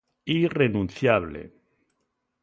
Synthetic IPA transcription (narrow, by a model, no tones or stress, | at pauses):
irenũnθjaβlḛ